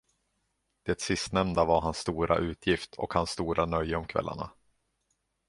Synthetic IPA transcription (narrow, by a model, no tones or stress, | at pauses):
d̪̥ɛt̪sɪst̪nɛmnd̪avaɾɦansːt̪uːɾʔa̰ʔʉ̟ːt̪ʰjɪft̪ʰɔ̰khansːt̪uːɾanœjːəɔmkʰvɛ̰lːa̰ɳa̰